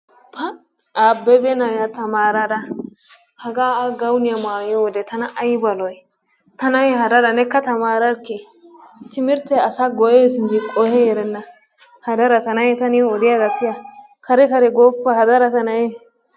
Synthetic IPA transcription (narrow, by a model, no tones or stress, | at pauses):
pʰɐ | aːbːɛbɛnajat̪ɐmaːɾɐdɐ | hɐɡaːaɡɐwnɪjamaːjɔwɔd̪ɛt̪ɐnɐʔɐjbɐlɔj | t̪ɐnɐjhɐd̪ɐdɐnɛkːɐt̪ɐmaːɾɐɾkːɛ | t̪ɪmɪɾt̪ɛɐsaɡɔʔeːsɪnd͡ʒɪkʼɔhɛjɛɾɛnːɐ | hɐd̪ɐɾɐt̪ɐnɐjɛt̪ɐnɪjɔɔd̪ɪjaɡɐsɪjɐ | kʰɐɾɛkɐɾɛɡoːpːɐhɐd̪ɐɾɐt̪ɐnɐjɛ